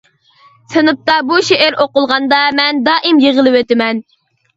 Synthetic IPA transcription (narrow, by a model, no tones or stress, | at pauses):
sɨnɨp̚t̪ɑbuʃeʔæɾʔoqʊlˠʁɑnd̪ɑmɛnd̪ɑːʔimjeʁəlˠɨwøt̪ɪmɛn